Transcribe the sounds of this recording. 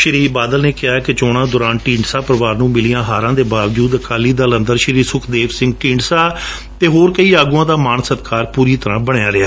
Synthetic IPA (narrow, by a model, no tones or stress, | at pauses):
ʃəɾiːbaːd̪əlneːkɪɦaːkɪt͡ʃɔːɽ̃ãːd̪oːɾaːnʈĩːɳɖsaːpɾəʋaːɾnũːmɪliːãːɦaːɾãːd̪eːbaːʋd͡ʒuːd̪əkaːliːd̪aːlə̃nd̪əɾʃəɾiːsʊkʰd̪eːʋsɪ̃ŋɡʈĩːɳɖsaː | t̪eːɦoːɾkəiːaːɡuãːd̪aːmaːnsət̪kaːɾpuːɾiːt̪əɾãːbəɳɪjaːɾɪaː